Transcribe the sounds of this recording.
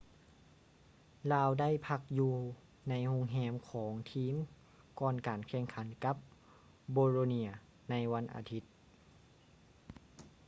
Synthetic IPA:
laː˧wda˥˩˨jpʰa˧k̚juː˧ | na˧˥jhu˧ŋɦɛː˧˩mkʰɔː˩˦ŋt̪ʰiː˧˥˨m | kɔː˧nkaː˨˩nkʰɛː˧˩ŋkʰa˩˦nka˧˦˥p̚ | boː˧ɾoː˧ni˧˩ɐ | na˧jwa˧˥nʔa̰ː˨˩t̪ʰi˧˦˥t̪̚

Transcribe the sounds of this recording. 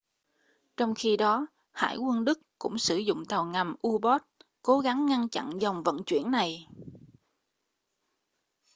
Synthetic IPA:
t͡ɕɔ˧wŋ͡mxi˧ɗɔ˨˦ | ha̰ː˧˩jkwə˧nɗɨ˦˥kkʊ̰˧˥ŋ͡msɨ˧˩zʊ̰˧˨ŋ͡mt̪a˨˩wŋa˨˩mʔu˧ɓɔ˦˥t̚ko˨˦ɣa˨˦ŋːa˧nt͡ɕa̰˧˨nza˨˩wŋ͡mvə̰˧˨nt͡ɕwḭ˧˩ənːa˨˩j

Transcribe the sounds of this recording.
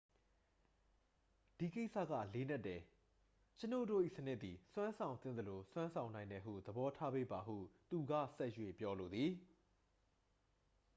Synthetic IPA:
d̥i˨ke˦ɪʔsʰä̰˦˨ɡä̰˦˨le˨˦nɛ˦˨tːɛ˨ | t͡ɕə˦no̰˦˨do˦˨ʔḭ˦˨sənɪ˦ʔ̪i˨swã˦nsʰã˨ʊ̃nt̪θɪ̰̃˦˨d̪ə˨lo˨swã˦nsʰã˨ʊ̃nã˨ɪ̃ndɛ˨ɦṵ˦˨d̪əbɔ˦tʰa˦be˦˨ba˨ɦṵ˦˨t̪u˨ɡä̰˦˨sɛ˦ʔjwḛ˦˨pjɔ˦lo˨d̪ði˨

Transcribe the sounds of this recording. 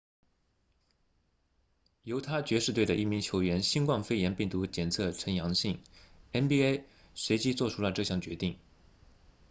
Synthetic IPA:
jo˧˥ʊt̪ʰa˥t͡ɕɥɛ˧˥ʂɻ̩˥˧t̪we˥˩ɪdə˩ʔi˥˩mi˧˥ŋt͡ɕʰjo˧˥ʊɥɛ˧˥nɕi˥ŋkwɑ˥˧ŋfe˥ɪjɛ˧˥npi˥˩ŋt̪u˧˥t͡ɕjɛ˨˩nt͡sʰɤ˥˩ʈ͡ʂʰə˧˥njɑ˧˥ŋɕi˥˩ŋɛ˥nbi˥e˥ɪ | swe˧˥ɪt͡ɕi˥t͡swɔ˥˧ʈ͡ʂʰu˥lə˨ʈ͡ʂɤ˥˧ɕjɑ˥˩ŋt͡ɕɥɛ̰˧˥t̪i˥˩ŋ

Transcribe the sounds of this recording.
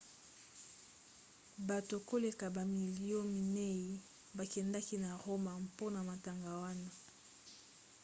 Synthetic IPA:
ba˨to˨ko˦le˨ka˨ba˨mi˨li˨jɔ˦mi˨ne˦i˨ | ba˨kɛ˨nda˦ki˦na˨ʁo˦ma˨mpo˦na˨ma˨ta˨ŋɡa˨wa˦na˦

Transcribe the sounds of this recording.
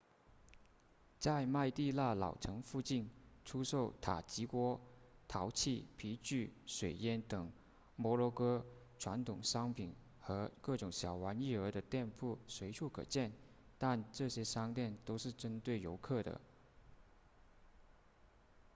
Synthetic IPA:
t͡sa˥˧ɪma˥˧ɪt̪i˥˧la˥˩lɑ̰˨˩ʊʈ͡ʂʰɤ˧˥ŋfu˥˧t͡ɕi˥˩nʈ͡ʂʰu˥ʂo˥˩ʊt̪ʰa̰˨˩t͡ɕi˧˥kwɔ˥t̪ʰɑ˧˥ʊt͡ɕʰi˥˩pʰi˧˥t͡ɕy˥˩ʂwe˨˩ɪjɛ˥nt̪ɤ˨˩ŋ | mwɔ˧˥lɔ˧˥kɤ˥ | ʈ͡ʂʰwa˧˥nt̪ʰʊ˨˩ŋʂɑ˥ŋpʰi˨˩˦n | xɤ˧˥kɤ˥˩ʈ͡ʂʊ˨˩ŋɕjɑ˨˩ʊwa˧˥ni˥˩ə˞˧˥d̪ə˧t̪jɛ˥˧npʰu˥˩swe˧˥ɪʈ͡ʂʰu˥˩kʰɤ̰˨˩t͡ɕjɛ˥˩n | t̪a˥˧nʈ͡ʂɤ˥˩ɕjɛ˥ʂɑ˥ŋt̪jɛ˥˩nt̪o˥ʊʂɻ̩˥˩ʈ͡ʂə˥nt̪we˥˩ɪjo˧˥ʊkʰɤ˥˩d̪ə̰˩

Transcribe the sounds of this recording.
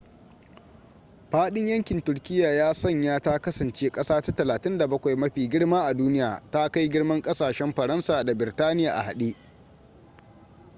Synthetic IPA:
ɸaː˦ɗɪ˦ɲjɐ˦ŋkʲɪ˨ntʊ˨ɾkʲɪ˦jːaː˨jaː˦sɐ˦˨ɲjaː˦ta˦kɐ˦sɐ˨nt͡ʃeː˦kʼɐ˦saː˦ta˦tɐ˨laː˨tɪ˦nda˨bɐ˦kʷa˨jmɐ˦ɸiː˨ɡʲɪ˦ɽmaː˦ʔa˨duː˦nɪ˦jaː˨ta˦ka˦jɡʲɪ˦ɽmɐ˦ŋkʼɐ˦saː˨ʃɛ˦mɸɐ˨ɾɐ˦nsaː˨da˨bɪ˨ɾtaː˦nɪ˦jaː˨ʔa̰˨ha˨ɗi˦ʔ

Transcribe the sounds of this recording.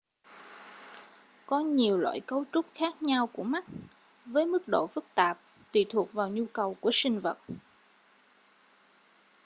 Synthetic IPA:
kɔ˨˦ɲi˨˩əwlwa̰ː˧˨jkə˧wt͡ɕʊ˦˥k͡p̚xaː˦˥k̚ɲa˧wku˧˩əma˦˥k̚ | vəː˨˦jmɨ˦˥k̚ɗo̰˧˨fɨ˦˥k̚t̪aː˨˩p̚ | t̪ḭ˧˨˩t̪ʰu˨˩ək̚vaː˨˩wɲu˧kə˨˩wku˧˩əsï˧ŋ̟və˨˩t̚

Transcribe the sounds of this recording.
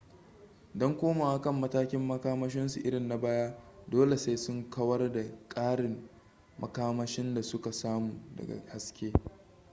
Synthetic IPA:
dɔ˦ŋkʷoː˦maː˨wa˦˨kɐ˦˨mːɐ˦taː˦kʲɪ˦mːɐ˦kaː˦mɐ˦ʃɪ˦nsu˨ʔɪ˦ɽɪ˨nːa˨baː˦jaː˦doː˦le˨se˦jsʊ˦ŋkɐ˦wɐ˦rda˨kʼaː˦ɽɪ˨mː | ɐ˦kaː˦mɐ˦ʃɪ˦nda˨sʊ˦ka˨saː˦muː˨dɐ̰˨ɡa̰˨ha˦skʲeː˦

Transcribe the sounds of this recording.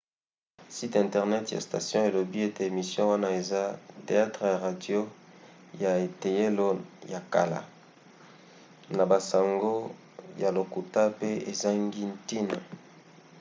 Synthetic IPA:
si˦tɛ̃˨ntɛ˨ʁnɛ˦tja̰˨sta̰˨sjɔ̃˦e˨lo˨bi˦e˦te˨e˨mi˨sjɔ̃˦wa˦na˦e˨za˦te˨a˦tʁə˨ja˨ʁa˨djo˦ja˨e˨te˨je˦lo˦ja˨ka̰˨la̰˨ | na˨ba˨sa˨ŋɡo˦ | ja˨lo˨ku˨ta˦pe˦e˨za˦ŋɡi˦nti˦nḛ˨

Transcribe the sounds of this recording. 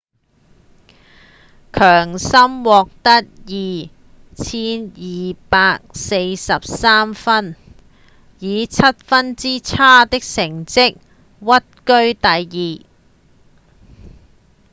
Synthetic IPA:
kʰœː˨˩ŋsɐ˥mwɔː˨˧k̚t̪ɐ˥t̚jiː˨ | t͡sʰiː˥njiː˨˩paː˧k̚se˧jsɐ˨p̚saː˥mfɐ˥n | jiː˨˧t͡sʰɐ˥t̚fɐ˥nt͡siː˥t͡sʰaː˥t̪ɪ˥k̚sɪ˨˩ŋt͡sɪ˥k̚ | wɐ˥t̚kɵ˥ɥt̪ɐ˨jjiː˨˩

